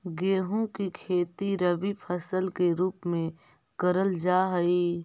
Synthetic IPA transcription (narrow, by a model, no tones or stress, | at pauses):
ɡeːɦõkikʰeːt̪iɾəʋipʰəsəlkeɾuːpmẽ | kəɾəld͡ʒaːɦɐi